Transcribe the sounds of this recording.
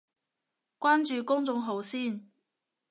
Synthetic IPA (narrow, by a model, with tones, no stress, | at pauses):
kʷaː˥nt͡ʃyː˨˧kʊ˥ŋt͡sʊ˧ŋɦo˨˧wsiː˥˩n